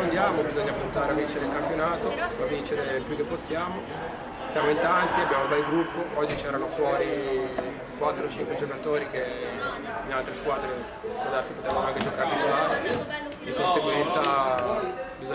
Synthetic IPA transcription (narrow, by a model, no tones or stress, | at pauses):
ond̪jaːmobizoɲːapunt̪aːɾeavint͡ʃed̪elkampjonaːt̪oavint͡ʃeɾepjukːepːosːjaːmo | sjaːmoint̪ant̪iabjaːmobɛlɡɾupːoɔd͡ʒːit͡ʃɛːɾanofwɔːɾi | kwat̪ːɾot͡ʃiŋkwed͡ʒokat̪oːɾik̟e | inalt̪ɾeskwaːd̪ɾe | kod̪asipot̪eːvanoaŋked͡ʒokaɾelikolaːɾe | d̪ikonseɡwɛnt̪sa | bizo